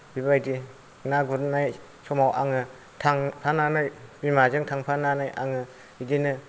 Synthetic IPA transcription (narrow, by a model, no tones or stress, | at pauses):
bibajdi | naɡuɾnaj | sɔmawʔaŋɯ | tʰaŋpʰananajbimazɯŋtʰaŋpʰananajʔa̰ŋɯ | bidinɯ